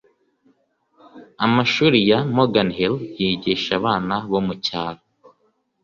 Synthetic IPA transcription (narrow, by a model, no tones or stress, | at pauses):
amaʃuːɾijamoɡanhiljiːɟiʃaβaːnaβo̞mucaːɾa